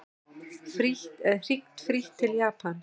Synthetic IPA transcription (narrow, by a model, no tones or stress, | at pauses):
fɾihɛðr̥ik̚t̪fɾiht̪ʰːɪljaːpan